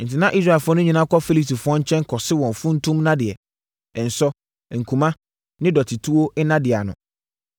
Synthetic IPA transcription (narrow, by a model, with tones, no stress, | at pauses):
n̩˨tɪ˨nã˦ʔi˦s̬ɾa˦˨ɛ˨fʊ˦ɔ˦nʊ̃˦ɲĩ˨˦nã˦kɔ˦fi˦li˦pti˨fʊ˦ɔ̃˦ɲ̩˦t͡ɕʰɛ̃˦ŋ˦kʰɔ˨sɪ˦wɔ̃˨nfʊ̃˦n̩˦tʰũ˦mnã˦dɪ˨ɛ̰̃˨ | n̩˨sɔ˦˨ | ŋ̩˨kʰũ˨mã˦ | nɪ̃˦dɔ˨tʰi˨tʰu˦wo˦ɪ˦nã˦dɪ˨a˨nʊ̰̃˨